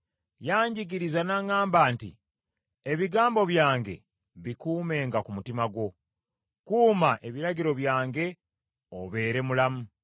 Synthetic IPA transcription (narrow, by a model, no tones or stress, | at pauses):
jaːɲɟiɡiɾizanaŋaːmbaːntḭ | e̞βiɡaːmbo̞βjaːŋɡḛ | βikuːme̞ːŋɡakumutimaɡwo̞ | kuːmaʔe̞βiɾaɟiɾo̞βjaːŋɡe̞ | oβe̞ːɾe̞mulamu